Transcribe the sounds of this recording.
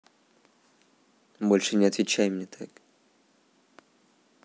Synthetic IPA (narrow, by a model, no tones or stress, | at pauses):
bolʲʂɨnʲɪɐt̪vʲɪt͡ɕæjmnʲɛt̪ʰak